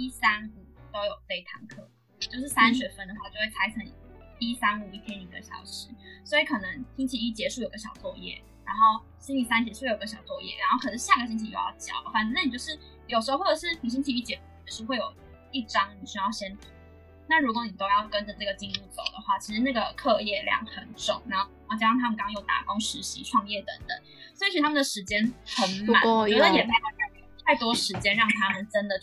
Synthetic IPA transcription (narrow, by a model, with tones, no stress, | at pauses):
i˥sa˥nu˨˩t̪o˥ʊjo˨˩ʊfe˥˩ɪt̪ʰa˧˥ŋkʰɤ˥˩ | t͡ɕjo˥˧ʊʂ̬ɻ̩˥˩sa˥nɕɥɛ˨˩fə˥˧nd̪ə˨˩xwa˥˧t͡ɕjo˥˧xwe˥˩t͡sʰa˧˥ɪt͡sʰɤ˧˥ŋ | i˥sa˥nu˨˩i˥˩t̪ʰjɛ˥ny˨˩d̪ə̰˦ɕjɑ̰˨˩ʊʂɻ̩˥swɔ˧˥i˧˥kʰɤ˨˩nə˧˦ŋɕʰi˥nt͡ɕʰi˧˩y˥˩t͡ɕjɛ˧˥ʂu˥˩jo˨˩ɪɡə˧˩ɕjɑ̰˨˩ʊt͡swɔ˥˧jɛ̰˥˩ | ɻa˧˥nxo˥˩ʊ | ɕi˥nli˨˩sa˥nɕ̬ɛ˧˩ʂu˥˧e˥˩o˨˩ɡə˧ɕjɑ˨˩ʊt͡swɔ˥˧jɛ̰˥˩ɻa˧˥nxo˥˩kʰɤ˨˩ə˧˥ɕja˥˩ɡə˩ɕ̬i˥ŋt͡ɕʰi˧˩jo̰˥˩jɑ̰˥˩ʊt͡ɕjɑ̰˨˩ʊd̪ə˦xwa˥˩n˧na˥ni˨˩t͡ɕo˥˧ʂɻ̩˥˩ | jʂ̬̩˧˥o˧xwo˥˩ʈ͡ʂə˨˩ʂɻ̩˥˩ni˨˩ɕ̬i˥nt͡ɕʰi˧˥y˥˩t͡ɕjɛ˧˥u˥˩˨d̪ə˧˩ʂ̩˥˧xwe˥˩ɪjo˨˩ʊ | i˥˩ʈ͡ʂɑ˥ŋni˨˩ɕy˥jɑ˥˩ʊɕjɛ˥nt̪ʰu˨˩˦ | na˥˩ɻu˧˥k̬wɔ˧˦ni˨˩t̪o˥ʊjɑ˥˩ʊkə˦˥nʈ͡ʂə˨˩ʈ͡ʂa˥˩ɡə˩t͡ɕi˥˧nu˥˩t͡so˨˩ʊd̪ə̰˩xwa˥˩t͡ɕʰi˧˥ʂɻ̩˧na˥˩ɡə˩kʰɤ˥˧jɛ˥˩ljɑ̰˨˩ŋxə˨˩˦nʈ͡ʂʊ̰˨˩˦ŋɻa˧˥nxo˥˩˧t͡ɕɻŋt̪ʰa˥mə˨˩ka˥ŋ˥˧jo˥˩t̪a̰˨˩kʊ˥ŋʂɻ̩˧˥ɕḭ˧˥ʈ͡ʂʰwɑ˥˧ŋjɛ˥˩t̪ə̰˧˦˥ŋt̪ə̰˨˩˦ | swɔ˧˥i˥i˥˧t̪ʰa˥ə˨d̪ə˩ʂɻ̩˧˥t͡ɕjɛ˥nxə˧˥nm˧a̰˨˦wt͡ɕɛ˧˥də˧˨jɛ˨˩t̪ʰa˥wa˥˧˥t̪ʰa˥˩ɪt̪wɔ˥ʂɻ̩˧˥t͡ɕjɛ˥nɻɑ˥˩ŋt̪ʰa˥mə˨nʈ͡ʂə˦˥nd̪ə˨